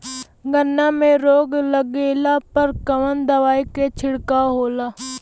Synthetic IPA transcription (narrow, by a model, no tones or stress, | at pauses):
ɡənːamẽɾoːɡləɡeːlaːpəɾkəʋənd̪əʋaːiket͡ʃʰɪɽkaɦoːlaː